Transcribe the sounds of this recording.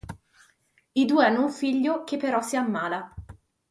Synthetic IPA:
id̪uːeanːouɱfiʎːok̟epːeɾɔsːiamːaːla

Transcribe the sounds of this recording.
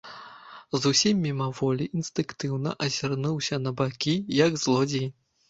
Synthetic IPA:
zusʲimʲːimɐvɔlʲiʔːnst̪ɨŋkt̪ɨwnɐ̰ʔɐzʲarnuwsʲɐnɐbakʲijɐɡzlˠɔd͡zʲij

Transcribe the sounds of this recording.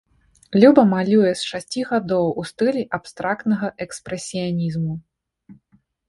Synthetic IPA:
lʲubɐmalʲujɛsʂasʲt͡sʲiɣad̪ɔwust̪ɨlʲiʔapst̪ɾak̚t̪nɐɣɐʔɛkspɾɛsʲijanʲizmu

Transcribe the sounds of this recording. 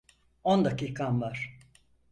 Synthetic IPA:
ond̪akiːkʰanvaɾ̥

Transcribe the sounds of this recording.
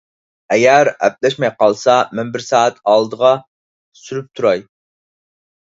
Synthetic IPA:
ɛɡʲæɾæ̰p̚lɛʃmɛjqɑlˠsɑmɛnbɪɾsɑːæt̪ʰɑlˠd̪əʁɑ | syɾyp̚t̪ʰuɾɑj

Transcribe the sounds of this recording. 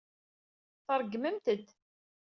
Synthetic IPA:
θəɾˤɡməmt̪əd̪

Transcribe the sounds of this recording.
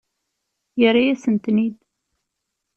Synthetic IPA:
jəɾajæsənt̪nid̪

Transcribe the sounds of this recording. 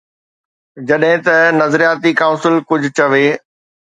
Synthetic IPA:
d͡ʑɐɗɦɪ̃t̪ɐnɐzɾijaːt̪ikãːʊ̃nsɪlkʊd͡ʑʱʊt͡ɕɐʋeː

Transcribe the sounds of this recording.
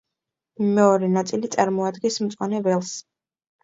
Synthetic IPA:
mɛɔɾɛnat̪sʼilit̪sʼaɾmɔad̪ɡɛsmt̪sʼwanɛvɛlˠs

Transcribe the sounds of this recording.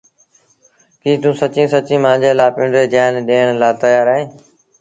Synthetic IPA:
kiːt̪ũːsət͡ʃĩːsət͡ʃĩːmãːd͡ʑeːlaːpɪ̃ɳɾeːd͡ʒaːnɗeːənlaːt̪əjaːɾaːɦẽː

